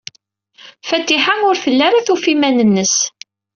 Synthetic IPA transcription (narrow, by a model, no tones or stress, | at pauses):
fæt̪ːiħanʊɾfəlːaɾaθufimænənːəs